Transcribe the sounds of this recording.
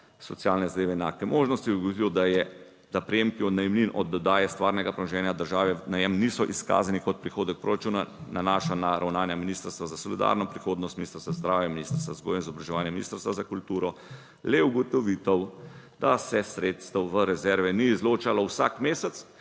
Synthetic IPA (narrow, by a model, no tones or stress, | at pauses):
sɔt̪sjalnɛzad̪eːʋɛːnaːkɛmoːʒnɔst̪id̪ɡɔʋilɔd̪ɛ | d̪apɾɛjemkiɔd̪najmlinʔɔ̰d̪ɔd̪aːjɛst̪ʋaːɾnɛɡapɾɛmɔʒɛːnjad̪əɾʒaːʋɛnajɛmnisɔʔiska̰ːzanikɔt̪̚pɾixoːd̪ək̚pɾoɾat͡ʃunanʔanaːʃanaɾʔawnaːnjaminiːst̪əɾst̪ʋazasɔlid̪a̰ɾnɔpɾixoːd̪nɔst̪minist̪əɾst̪ʋazd̪ɾaːwjɛminiːst̪əɾst̪ʋazɡojɛnizɔbɾaʒɛʋaːnjɛminḭst̪əɾst̪ʋazakult̪uːɾɔ | lɛuɡɔt̪ɔʋit̪əw | d̪̥asɛsɾeːt̪st̪əwʋəɾɛzɛɾʋɛniːzloːt͡ʃalɔwsa̰kmeːsət̪s